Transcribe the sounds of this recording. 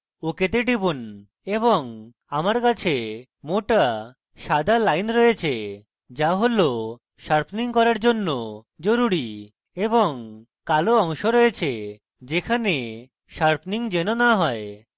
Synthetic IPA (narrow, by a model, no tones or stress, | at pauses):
oket̪eɖibun | ebɔŋ | amaɾkat͡ɕʰe | moʈa | ʃad̪ʱalajnɾɔjet͡ɕʰe | d͡ʒaɦolo | ʃaɾpʰniŋkɔɾaɾd͡ʑonːo | d͡ʑoɾuɾi | ebɔŋ | kaloɔŋʃoɾɔjet͡ɕʰe | d͡ʑekʰane | ʃaɾpʰniŋd͡ʑenonaɦɔe